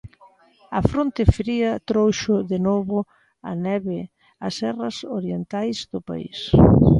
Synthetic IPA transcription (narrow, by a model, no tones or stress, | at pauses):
ɐfɾont̪ɪfɾiɐt̪ɾowʃʊðenoβʊ | ɐ̰nɛβɪ | ɐsɛrɐsoɾjent̪ajzðʊpa̰ḭs